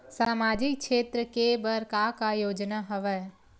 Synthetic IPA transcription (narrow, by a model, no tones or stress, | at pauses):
saːmaːd͡ʒɪkʃeːt̪ɾəkebəɾkakajoːd͡ʒnaɦɐʋɛː